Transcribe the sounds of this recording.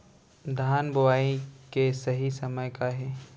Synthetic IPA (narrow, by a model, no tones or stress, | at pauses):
d̪ʱaːnbʊwaːikesɐɦisɐməjkaɦɛː